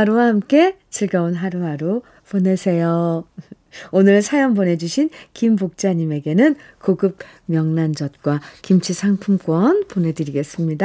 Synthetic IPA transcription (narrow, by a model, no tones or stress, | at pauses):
aɾowahamk͈e̞ | t͡ɕiɭɡaonɦaɾuɦaɾo | pone̞sʰe̞jo | onɯɭsʰajʌŋbone̞d͡ʑuɕʰinkimbok̚t͡ɕ͈aɲime̞ɡe̞nɯn | koɡɯb̚ | mjʌŋnand͡ʑʌt̚k͈wakimt͡ɕʰisʰaŋpʰumk͈wʌnpone̞dɯɾiɡe̞s͈ɯmɲida